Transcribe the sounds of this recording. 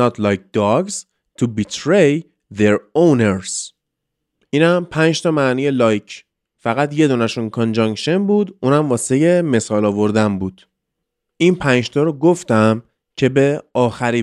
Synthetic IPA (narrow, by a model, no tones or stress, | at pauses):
ɒt̪ʰlɒjk̚d̪ɒɡz̥ | t̪ʰubit̪ʰɾej | ðeɾowneɾz̥ | ʔiːnæmpʰænd͡ʒt̪ʰɒːmæːniːjelɒːjcʰ | fæɣæt̪je̞d̪uːnæʃunkʰond͡ʒɒŋkʃenbuːd̪ʔuːnæmvɒːseje̞me̞sɒːlɒːvo̞ɾd̪æmbuːd̪̥ | ʔiːnpʰænd͡ʒt̪ʰɒːɾɔɡoft̪æm | cʰe̞beɒːxæɾiː